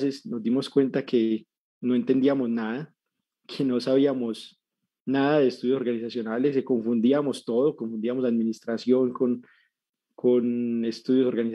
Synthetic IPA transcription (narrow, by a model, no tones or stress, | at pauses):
sesno̞zd̪imo̞skwe̞nt̪akʰe̞ | no̞e̞nt̪e̞nd̪iamo̞znaða | kʰe̞no̞saβiamo̞s | naðaðe̞ːst̪uðjosoɾɡanisasjo̞naleseko̞ɱfund̪iamo̞st̪o̞ðokoɱfund̪iamoslaðminist̪ɾasjo̞ŋkon | kʰone̞st̪uðjo̞so̞ɾɡanis